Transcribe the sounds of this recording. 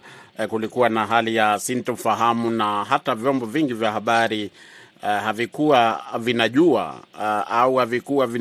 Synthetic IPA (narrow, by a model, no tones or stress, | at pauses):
kulikuwanaɦalijasintufaɦamunaɦatavjɔmbɔviŋɡivjahaɓaɾi | havikuavinaʄua̰auhavikuwavi